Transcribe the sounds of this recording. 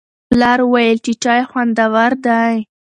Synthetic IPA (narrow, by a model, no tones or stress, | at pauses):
lɑɾwajəlt͡ʃit͡ʃɑjxwand̪awaɾd̪aj